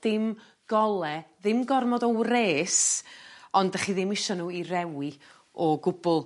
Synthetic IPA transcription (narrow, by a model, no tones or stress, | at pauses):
d̥ɪm | ɡ̥ɔlˠɛðɪmɡɔrmɔdɔwreːs | ɔndaχiðɪmɪʃɔnuːirɛwi | ɔɡʊbʊlˠ